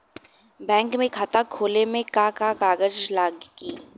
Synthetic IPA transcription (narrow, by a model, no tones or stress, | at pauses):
bɛ̃ːŋkmẽkʰaːt̪akʰoːlemẽkakakaːɡəd͡ʒlaːɡɡiː